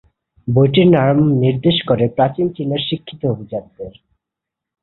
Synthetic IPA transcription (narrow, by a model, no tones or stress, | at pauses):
bojʈiɾnaɾmniɾd̪eʃkoɾepɾat͡ɕint͡ɕinːeɾʃikʰːit̪oubʱid͡ʑad̪̚d̪eɾ